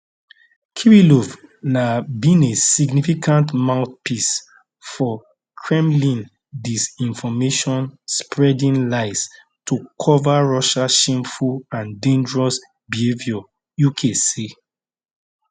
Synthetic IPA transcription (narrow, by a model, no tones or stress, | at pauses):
kʰiɹilɔvnabĩnesiɡnifikãntmãʊθpʰis | fɔ | kʰɹɛ̃mlĩn | disĩnfɔmeʃɔ̃nspʰɹɛdĩnlaɪs | tʰukʰɔvaɹɔʃaʃẽmfulãndẽnd͡ʒəɹɔs | bihevjɔ | jukʰesi